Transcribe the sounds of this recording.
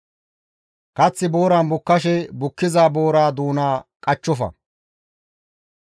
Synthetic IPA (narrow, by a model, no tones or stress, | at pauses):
kɐt͡sːɪbo̞ːɾaːnbʊkːɐʃɛbʊkːɪzaːbo̞ːɾaːd̪uːnaːkʼɐt͡ʃːɔfɐ̰